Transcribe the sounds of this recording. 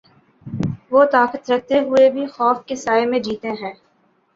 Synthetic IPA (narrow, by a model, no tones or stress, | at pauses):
ʋoːt̪aːkət̪ɾɐk̚ʰt̪eɦʊebʱixɔːfkesaːemẽd͡ʒiːt̪ẽɦɛ̃ː